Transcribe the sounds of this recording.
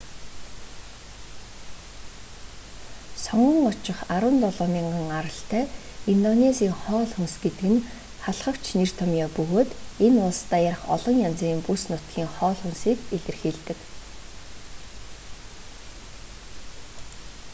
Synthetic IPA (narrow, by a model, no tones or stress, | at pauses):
sɔɴɢə̆ŋʊt͡ɕɪ̆χaɾə̆nt̪ɔɮɔːmiːŋɢə̆ŋaɾə̆ɬt̪æː | int̪ɔnesiːŋχɔːɮxunsɡet̪ɘ̆ɡɘ̆n | χaɮχə̆kt͡ɕnir̥t̪ʰɔmjɔːpɵɣoːt̪enʊɮst̪aːjar̆χɔ̰ɮɞ̆ŋjant͡siːmpusnʊt̪ɡiːŋχɔːɮxunsiːkeɮɘ̆rxiːɮt̪ɘ̆k